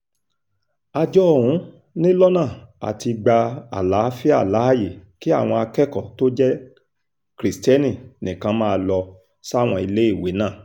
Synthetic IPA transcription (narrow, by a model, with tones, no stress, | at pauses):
a˧d͡ʒɔ˦˨ɾũ˨˦ | nĩ˦lɔ˦nãː˦˨a̰˨ti˧ɡ͡ba˧a̰˨la˨˦fi˦a˦˨la˨˦a˦˨je˨ki˦a̰˦˨w̃ɔ̃˧a˧kɛ˦kɔ˨to˦d͡ʒɛ˦ | kɾi˨stɛ˦nĩ˦˨nĩ˨kã˧˦mãː˦˧lɔ˧ | sa˦˨w̃ɔ̃˧i˧le˦i˦˨we˨˦nãː˦˨